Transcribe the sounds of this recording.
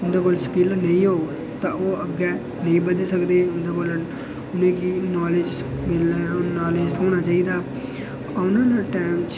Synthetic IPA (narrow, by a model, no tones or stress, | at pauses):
ʊnd̪eːkoːlskɪlnəĩːɦoː | t̪ãːoːəɡɛː | nəĩːbəd̪səkd̪eːʊnd̪eːkoːl | ʊnẽːkiːnɔːled͡ʒ | mɪnaːleːd͡ʒt̪ʰoːñaːt͡ʃaːiːd̪aː | aʊnãːnaːʈɛːmt͡ʃ